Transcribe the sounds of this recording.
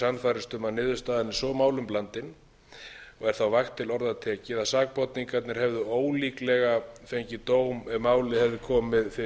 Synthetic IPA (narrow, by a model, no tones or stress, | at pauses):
sanfajɾɪst̪ʏmanɪːðʏst̪aːðɪnɪsɔmaːwlʏmplant̪ɪn | ɔɣɛɾ̥θawvaxt̪ʰːɪlɔɾðat̪ʰɛːcɪðasaːk̚pɔt̪niŋkat̪nɪɾ̥hɛvðʏoːwliːklɛɣafejɲcɪt̪oːwmɛmːaːwlɪhɛvðɪkʰɔːmɪðfɪ